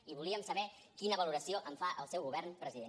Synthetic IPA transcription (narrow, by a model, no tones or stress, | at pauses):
iβuliəmsəβɛ | kinəβəluɾəsioʔəɱfaʔəlˠsɛwɣuβɛrnpɾəziðen